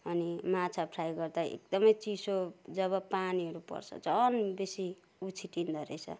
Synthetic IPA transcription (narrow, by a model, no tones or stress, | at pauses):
ʌnimat͡sʰapʰɾajɡʌrd̪aḛk̚d̪ʌmʌjt͡sisod͡zʌβʌpaniɦʌɾupʌ̰rt͡sʰʌ̰t͡sʌnbesi | ut͡sʰiʈind̪ʱʌɾejt͡sʰʌ̰